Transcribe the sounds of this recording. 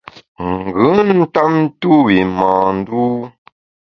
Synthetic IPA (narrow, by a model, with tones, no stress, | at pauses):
ŋ˨ɡʉ˨˦n̩˦ta˦p̚n̩˦tu˦wi˨mãː˨n̩˦du˦